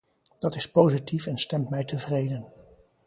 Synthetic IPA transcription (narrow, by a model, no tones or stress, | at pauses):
d̥ɑtɪspowzitifɛnstɛmtmɛjtəvrejdən